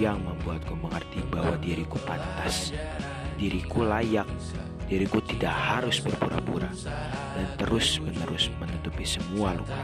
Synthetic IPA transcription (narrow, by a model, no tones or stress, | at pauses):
aŋməmbuat̪̚kuməŋart̪ibahwadiɾikupant̪as | diɾikulajak̚ | d̥iɾikut̪idaʔhaɾʊsbərpuɾa̰puɾa | dant̪əɾʊsmənəɾʊsmənut̪upisəmualo̰